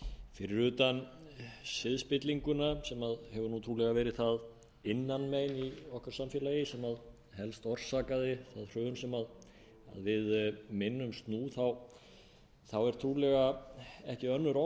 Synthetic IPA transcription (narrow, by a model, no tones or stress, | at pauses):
fɪɾɪɾʏːt̪an | sɪðspɪt̪liŋkʏnasɛmaðhɛvʏɾnut̪ʰɾuːlɛɣavɛːɾɪðθað | ɪnːanmeːjniɔhkaɾ̥samfjɛːlajɪsɛmað | ɦɛlst̪ɔr̥saːkaðɪθaðr̥œːnsɛmað | a̰ðvɪðmɪnːʏmst̪nuːθaw | θawɛɾ̥t̪ʰɾuːlɛɣaɛhcɪœnːʏɾɔ